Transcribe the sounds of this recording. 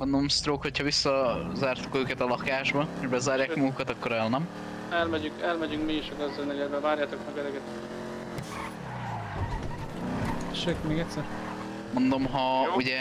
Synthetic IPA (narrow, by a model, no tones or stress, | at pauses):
mond̪o̞mst̪ɾoːkho̞chɒvisːɒzaːrt̪u̥køːkɛt̪ɒlɒkaːʒbɒeʒbɛzaːrjaːkmɔɡukɒt̪ɒkːo̞ɾɛlnɛm | ɛlmɛɟyŋkɛlmɛɟyŋkmiiʃɒɡɛzɛlnɛɡɛd̪bɛvaːɾjaːt̪okmɛɡɛɾɛɡɛt̪ | ʃekmeːɡɛtʲsɛɾ | mo̞nd̪o̞mɦɒuɟɛ